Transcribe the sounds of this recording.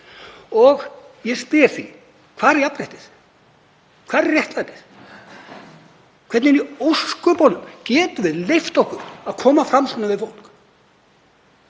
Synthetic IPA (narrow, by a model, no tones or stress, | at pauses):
ɔɣjɛspɪjaɾ̥θi | kʰvaːðɾɛjapɾajht̪ɪθ | kʰvaːðɛrjɛht̪vajt̪ɪθ | kʰvɛɾt̪nɪniowskʏpɔːlʏmcɛːt̪ʏvɪðlejft̪ɔhkʏɾaðkʰɔːmafɾamsɔnavɪðfowl̥k